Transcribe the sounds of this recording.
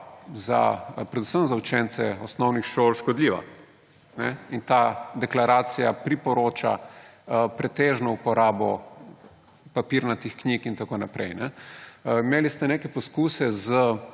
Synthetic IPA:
za̰pɾɛd̪usəmzaut͡ʃɛnt̪sɛɔsnɔwnixʃolʃkɔd̪liːʋa̰ | nɛint̪ad̪ɛklaɾaːt̪sijapɾipɔɾoːt͡ʃa̰ | pɾɛt̪eːʒnɔupɔɾaːbɔ̰ | papiɾnat̪ixknikint̪akoːnapɾʔɛ̰jnɛ | imeːlist̪ɛnekɛpɔskuːsɛzə

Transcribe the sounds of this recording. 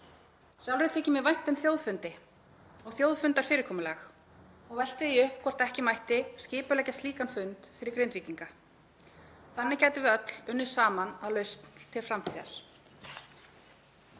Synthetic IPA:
sjawlvɾɪt̪ʰɛːcɪmɛðvajn̥t̪ʏmθjoːwðfʏnt̪ɪ | ɔɣθjoːwðfʏnt̪aɾ̥fɪːɾɪɾ̥kʰɔːmʏlɛx | ɔɣvɛl̥t̪ɪðiʏhpkʰɔr̥t̪ɛhcɪmajht̪ɪscɪːpʏlɛːcast̪iːkanfʏnt̪fɪɾɪɾkɾejnviːt̪iŋka | θanːɪcɛːjt̪ʏvɪðœt̪l̥ʏnːʏ̥saːmanaðlœɥst̪n̥t̪ʰɪlfɾam̥t̪ʰiːa̰ɾ̥

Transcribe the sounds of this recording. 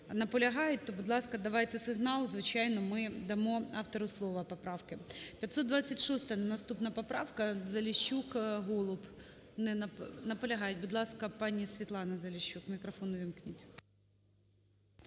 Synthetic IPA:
nɐpɔlʲɐɦɑjʊt̚ʲt̪ɔbʊd̪lˠɑskɐd̪ɐʋɑjt̪ɛsɪɦnɑlˠzʋɪt͡ʃɑjnɔmɪd̪ɐmɔɑft̪ɔɾʊslˠɔʋɐpɔpɾɑwkɪpʲjɐt̪sɔd̪d̪ʋɑt͡sʲːɐtʲʃɔst̪ɐnɐst̪upnɐpɔpɾɑwkɐzɐlʲɪɕːukɦɔlˠʊp | nɛnɐnɐpɔlʲɐɦɑjɪt̚ʲbʊd̪lˠɑskɐpɑnʲisʲʋʲit̪lˠɑnɐzɐlʲɪɕʲːukmʲikɾɐfɔnʊʋʲimknʲɪtʲ

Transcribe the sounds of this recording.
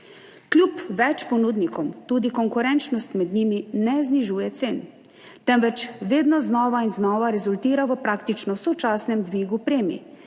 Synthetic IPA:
klʲupʋɛt͡ʃpɔnud̪nikɔmt̪uːd̪ikɔŋkuɾɛnt͡ʃnɔst̪mɛd̪nɲiːminɛzniʒuːjɛt̪seːn | t̪ɛmʋɛt͡ʃʋeːd̪nɔznɔːʋainznɔːʋaɾɛzult̪iːɾaʋəpɾaːkt̪it͡ʃnɔwsɔt͡ʃaːsnɛmd̪ʋiːɡupɾeːmḭ

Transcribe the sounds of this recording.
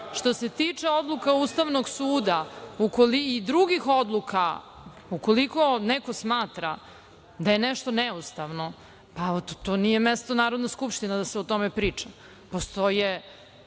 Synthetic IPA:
ʃt̪o̞se̞t̪it͡ʂeo̞d̪lˠukaust̪aʋnoɡsuːd̪aukoliid̪ɾuɡixo̞d̪lˠuka | ukoliko̞nɛko̞smaːt̪ɾa | d̪aje̞nɛʃt̪o̞nɛust̪aʋno̞ | pat̪oːnijemest̪onaːɾo̞d̪naskupʂt̪inad̪aseot̪omepɾiːt͡ʂa | post̪oje

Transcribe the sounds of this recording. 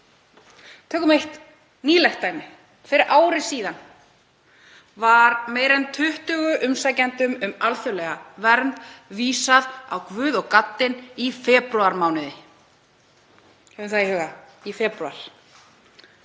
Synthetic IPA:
t̪ʰœːkʏmejht̪ | niːlɛxt̪ːaːjmɪ | fɪɾɪɾʔaːwɾɪsiːðan | vaɾmeːjɾɛnt̪ʰʏht̪ʏɣʏʔʏmsaːjcant̪ʏmʏmalθʏlɛɣavɛɾnt̪viːsaða̰wkvʏːðɔɣkat̪ːɪnifɛːpɾʏaɾmaːwnɪðɪ | hɛvʏmθaihʏːɣaifɛːpɾʏaɾ̥

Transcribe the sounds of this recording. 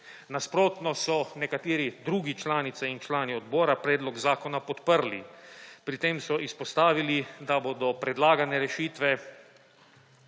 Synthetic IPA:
naspɾoːt̪nɔsɔnɛkat̪eːɾid̪ɾuːɡit͡ʃlaːnit̪sɛint͡ʃlaːniɔd̪boːɾapɾɛːd̪lɔɡzaːkɔnapɔt̪pəɾlḭpɾit̪eːmsɔʔispɔst̪aːʋilid̪aboːd̪ɔpɾɛd̪laːɡanɛɾɛʃiːt̪ʋɛ

